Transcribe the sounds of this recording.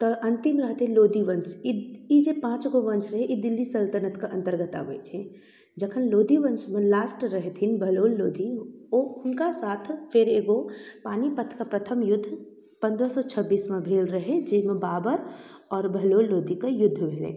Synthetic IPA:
t̪ɔɐ̃nt̪ɪmɾəɦt̪ẽloːd̪iʋə̃nt͡ʃiid͡ʒepãːt͡ʃɡoʋə̃nt͡ʃɾəɦeʔid̪ɪlːisəlt̪ənət̪kaʔɐ̃nt̪əɾɡət̪a̰ɦoet͡ʃʰẽ | d͡ʒɐkʰənloːd̪iʋənt͡ʃmẽlaːsʈɾəɦet̪ʰinbʱɐloːlːoːd̪ioʊnkasaːt̪ʰfʰɪɾeːɡopaːnipət̪ʰkapɾət̪ʰəmjʊd̪ʱː | pɐ̃nd̪ɾəsɔt͡ʃʰəbːiːsmẽbʱeːlɾɐɦẽd͡ʒɪmẽbaːbəɾɔːɾbʱəloːlːoːd̪ikajʊd̪ʱːəbʱeːlḛ̃

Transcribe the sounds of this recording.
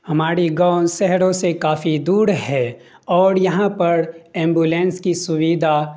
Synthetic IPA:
hɐmaːɾiɡaːʊnʃɛɦɾõsekaːfid̪uːɾɦɛ | ɔːɾjɐɦãpɐɾẽːmbuːlẽːnskisʊwiːd̪ʱa

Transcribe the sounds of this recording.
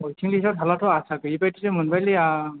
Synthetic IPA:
ɔjtʰiŋlisɔtɦalatʰɔasakɯipajtitemɯnbajlia

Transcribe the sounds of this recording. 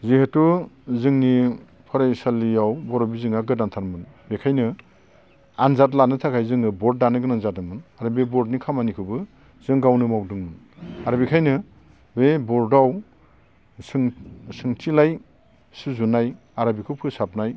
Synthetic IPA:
zihetuzɯŋni | pʰɯɾajsaliawbɔɾɔbizɯŋaɡɯdantʰaɾmɯn | bekʰajnɯ | anzat̬lanɯtʰakʰajzɯŋɯbɔɾt̚ːanɯɡɯnanzatɯmɯnaɾɯbebɔɾdnikʰamanikʰɯbɯ | zɯŋɡawnɯmawdɯŋmɯn | aɾbikʰajnɯ | bebɔɾdaw | sɯŋsɯŋtʰilaj | sɯzunaj | aɾabikʰɯpʰɯsap̚naj

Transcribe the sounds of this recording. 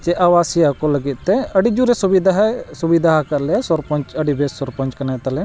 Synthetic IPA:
t͡ʃɛʔawasiakɔləɡit̪̚t̪ɛəɖid͡ʒuɾɛsubid̪ɦsubid̪ʱaɦakaɾlɛjasɔɾpɔɲt͡ʃəɖibɛsːɔɾpɔɲt͡ʃkɐnat̪alɛ

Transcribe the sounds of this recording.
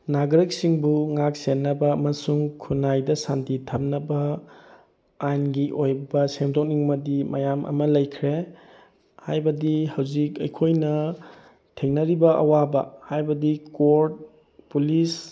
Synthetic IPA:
naɡɾɐk̚siŋbuŋak̚senːɐbɐɐmɐsuŋkʰunajdɐsantitʰɐp̚nɐbɐ | ajnɡiʔojbɐsemdok̚niŋmɐdimɐjamʔɐ̰mɐlɐjkʰɾe | hajbɐdihɐwzikɐjkʰojnɐ | tʰeŋnɐɾibɐʔɐ̰wabɐ̰hajbɐdikoɾt̚ | pulis

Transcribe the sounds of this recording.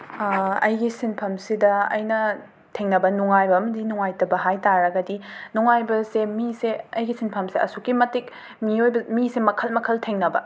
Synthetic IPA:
ɐjɡisinpʰɐmsidɐɐ̰jnɐ | tʰeŋnɐbɐnuŋajbɐmɐdinuŋajtɐbɐɦajtaɾɐɡɐdinuŋajbɐsemiseɐjɡisinpʰɐmseʔɐ̰sukːimɐtik̚ | miojbɐmisemɐkʰɐlmɐkʰɐltʰeŋnɐbɐ̰

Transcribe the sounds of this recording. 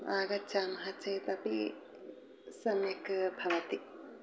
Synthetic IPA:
aːɡɐt͡ʃaːmɐɦɐt͡ʃɐjt̪ɐpi | sɐmjɐkbʱɐʋɐt̪i

